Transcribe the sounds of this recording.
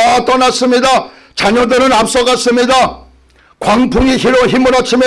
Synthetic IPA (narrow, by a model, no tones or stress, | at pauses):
at̪͈ʌnas͈ɯmɲida | t͡ɕaɲʌdɯɾɯnap̚s͈ʌɡas͈ɯmɲida | kwaŋpʰuŋiçiɾoçimɯɾat͡ɕʰimi